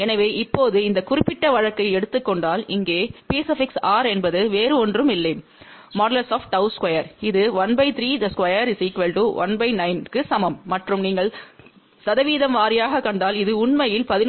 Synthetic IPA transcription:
ɛnɐʋeːʔɪpːoːðɯɪnd̪ɐkʊrɪpːɪʈːɐʋɐɻɐkːɐɪɛɽɯt̪ːɯkːɔɳɖaːlɪŋɡeːpeːsɐfɪksaːɾɛnbɐðɯʋeːɾɯɔndrɯmɪlːɐɪm | maːɽɐlɐsoːfʈɐʊskwɐjɐɾɪðɯʋɐnbɐɪt̪ɪɾiːɐskʋɐjɐɾsiːkʋɛlʈuːʋɐ̰nbɐɪnɐɪnkɯsɐmɐmːɐʈrɯmniːŋɡɐɭ | sɐðɐʋiːðɐmʋaːɾɪjaːɣɐkːɐɳɖaːlɪðɯʊɳmɐjɪlpɐðɪn

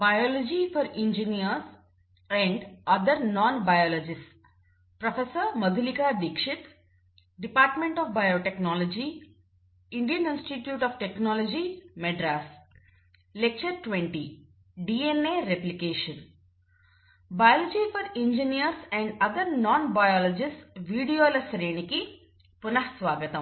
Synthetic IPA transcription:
baɪɔːlɔd͡ʒifɔɾĩnd͡ʒiniəɾs | ɛ̃ɳɖʌd̪əɾnɔ̃ːnbajɔːlɔd͡ʒɪsʈ | pɾɔfesəɾməd̪ʱulikad̪ikʃɪt̪ | ɖipaːɾʈmẽɳʈɔːfbaɪoʈeknɔːlɔd͡ʒi | ɪ̃ɳɖijə̃nĩnsʈiʈjuːʈɔːʋʈeknɔːlɔd͡ʒimeɖɾaːs | lek̚t͡ʃɐɾʈʋeɳʈi | ɖiːeneːɾeplikeːʂɐn | bɐjɔlod͡ʒifʰɐɾĩɲd͡ʒinijɐɾsɛ̃ɳɖɐd̪ɐɾnɔːnbɐjɔːlod͡ʒisʈʋiːɖijoːlɐsɾeːɳiki | punɐɦɐsʋaːɡɐt̪ɐm

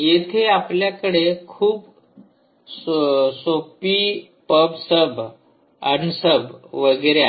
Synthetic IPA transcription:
jet̪ʰeapljakəɽekʰuːb | ssopiː | pəbsəbʱ | a̰nisəbʱʋəɡəɾea

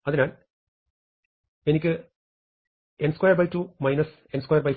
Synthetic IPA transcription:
ɐðinaːl | e̞nikʲːɨ | enskwajɐrbɐjtuːmɐjnɐs | enskwajɐrbɐj

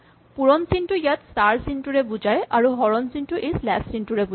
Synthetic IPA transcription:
puɹɔnsinʈujat̪staɹsinʈuɹebud͡ʑajʔaɹuɦɔɹɔnsinʈuʔejslɛssinʈuɹebu

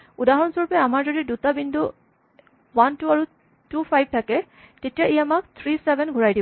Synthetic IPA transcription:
udaɦɔnsɔɹɔpɛamaɹzɔdidutabindu | wantuaɹu | tupʰajb̚tʰakɛ | tetijaejaamak̚t̪ʰɹisɛbɛnɡʱuɹajdibɔ

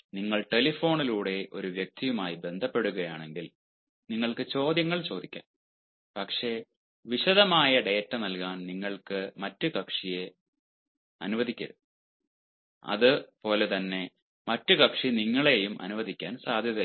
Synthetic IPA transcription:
niŋːɐɭʈe̞lifo̞ːɳiluːɽe̞ʔo̞ɾuʋjɐk̚t̪ijumaːjibe̞nd̪ʱɐpːe̞ɽuɣɐjaːɳe̞ŋɡil | niŋːɐɭkɨt͡ɕo̞ːd̪jɐŋːɐɭt͡ɕo̞ːd̪ikʲːa̰ːn | pɐkʂe̞ː | ʋiɕɐðɐmaːjɐɖejːtːɐnɐlkaːnniŋːɐɭkɨmɐtːukɐkʂije | ɐ̰nuʋɐðʱikʲːɐɾɨ | ɐ̰ðɨpo̞ːle̞t̪ɐnːe̞ | mɐtːukɐkʂiniŋːɐɭe̞jumʔɐ̰nuʋɐðʱikʲːaːnsaːd̪ʱjɐðɐ

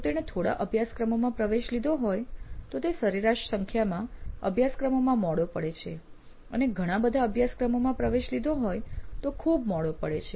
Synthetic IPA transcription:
ot̪eɽ̃et̪ʰoɽa̰ʔəbʱjaskɾəmomãpɾəʋeʃlid̪ʱoɦojt̪ot̪esəɾiɾaʃsəŋkʰjamãə̰bʱjaskɾəmomãmɔɭopəɽet͡ʃʰe | ə̰neɡʱəɽ̃ãbəd̪ʱaəbʱjaskɾəmomãpɾəʋeʃlid̪ʱoɦojt̪okʰubmɔɭopəɽḛt͡ʃʰe

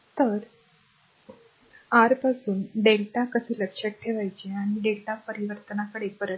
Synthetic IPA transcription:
t̪əɾ | aɾpasuːnɖelʈakəsiːləkʂək̚ʈʰeʋajt͡ɕeaɽ̃iɖelʈapəɾiʋəɾt̪ənakəɽebəɾə

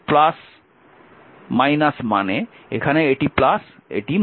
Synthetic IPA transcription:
plas | majnasmane | ekʰaneeʈiplasḛʈim

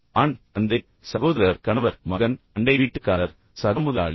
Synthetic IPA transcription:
aːɳɐnd̪e | sɐɣoːðɐɾɐɾkɐɳɐʋɐɾmɐɣɐnɐɳɖɐɪʋiːʈːɯkːaːlɐɾ | sɐɣɐmʊðɐa̰ːɭ

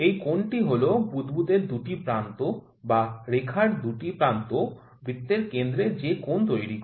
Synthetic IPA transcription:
ejkoɳʈiɦolobud̪bud̪eɾd̪uʈipɾant̪o | baɾekʰaɾd̪uʈipɾant̪o | bɾit̪ːeɾkend̪ɾed͡ʑekont̪ojɾi

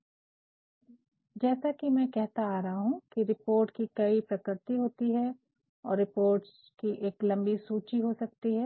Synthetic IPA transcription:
d͡ʒɛːsakimɛ̃kɛɦt̪aaːɾɐɦaɦũkiɾɪpoːɾʈkikɐipɾɐkɾɪt̪iɦoːt̪iɦɛ | ɔːɾːɪpoːɾʈs | kiʔeːklɐ̃mbisuːt͡ʃiɦosɐk̚t̪iɦɛː

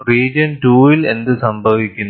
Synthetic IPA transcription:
ɾiːd͡ʒɐnʈuːilend̪ɨsɐmbʱɐʋikʲːun

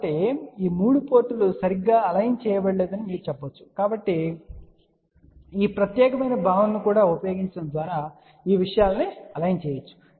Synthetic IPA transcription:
ʈːiiːmuːɽupo̞ːɾʈːulusɐɾiɡːaːɐlɐjnt͡ʃɛːjɐbeɭːeːd̪ɐnimiːɾut͡ʃɛbːɐt͡ʃːu̥kaːbɐʈːi | iːpɾɐt̪jɛːkɐmɐjnɐbʱaːʋɐnːikuːɽaːupɐjo̞ːɡiɲt͡ʃɐɽɐnd̪ʋaːɾaː | iːʋiʂɐjaːlniɐlɐjnt͡ʃɛːjɐt͡ʃːu̥

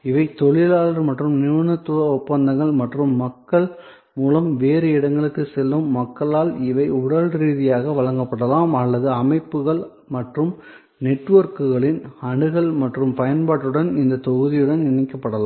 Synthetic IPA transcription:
ɪʋɐɪt̪ɔɭɪlaːlɐɾmɐʈrɯmnɪʋɐnɐt̪ːɯɐʊpːɐnd̪ɐŋɡɐɭmɐʈrɯmːɐkːɐɭ | muːlɐmʋeːɾɯɪɽɐŋɡɐɭɯkːɯsɛlːɯmːɐkːɐɭaːlɪʋɐɪʊɽɐlɾiːðɪjaːɣɐʋɐɭɐŋɡɐpːɐɽɐlaːmɐlːɐðɯɐmɐɪpːɯɣɐɭ | mɐʈrɯm | nɛʈːʋɐɾkɯɣɐɭɪnɐɳɯɣɐɭmɐʈrɯmpɐjɐnpaːʈːɯɽɐnɪnd̪ɐt̪ɔɣɯðɪjɯɽɐnɪɳːɐkːɐpːɐɽɐlaː

